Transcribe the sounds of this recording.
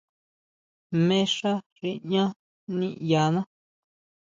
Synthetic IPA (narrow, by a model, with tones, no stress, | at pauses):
mẽ˦ʂa˦ʐi˦˧ɲã˦ | nĩ˦˨ja˨nã˦